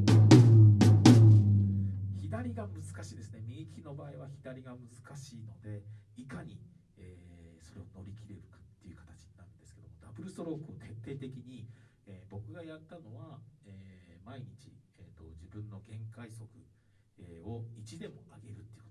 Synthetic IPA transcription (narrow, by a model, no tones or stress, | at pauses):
çid̪aɾʲiɡamɯ̟zɨ̥kaɕiːd̪e̞sɨne̞mʲikʲino̞baːiβaçid̪aɾʲiɡamɯ̟zɨkaɕiːno̞d̪e̞ikaɲ̟i | eːso̞ɾe̞o̞no̞ɾʲikʲiɾe̞ɾɯ̟kḁt̪ːe̞iɯ̟kḁt̪ḁt͡ɕi̥ɲ̟inaɾɯ̟nd̪esɨ̥ke̞d̪o̞̰mo̞d̪abɯ̟ɾɯsoɾo̞ːkːɯot̪ʰe̞t̪ʰːe̞ːt̪e̞kʲiɲ̟i | eːbo̞kɯ̟ɡajat̪ːano̞βaeːmaiɲ̟it͡ɕieːt̪ːo̞d͡ʑibɯ̟̃nːo̞ɡẽ̞ŋkaiso̞kɯ̟ | eo̞it͡ɕid̪e̞mo̞aɡe̞ɾɯ̟t̪ːei̥